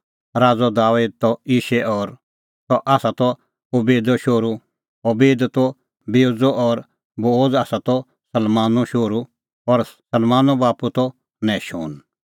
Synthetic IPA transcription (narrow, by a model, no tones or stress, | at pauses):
ɾaːd͡zɔd̪aːʋeːd̪̚t̪ɔiːʃɛʔɔːɾ | t̪ɔʔaːsat̪ɔ | ɔbeːd̪ɔʃoːɾu | ɔbeːd̪t̪ɔ | beod͡zɔɔɾ | boːd͡zaːsat̪ɔ | sɐlmaːnɔʃoːɾu | ɔɾsɐlmaːnɔbaːput̪ɔ | nɛ̃ːʃo̰ːn